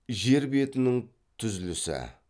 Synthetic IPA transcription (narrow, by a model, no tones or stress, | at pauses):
ʒe̞ɾbe̞t̪ɪnɪŋ | t̪ʰʏzlɪsɪ̰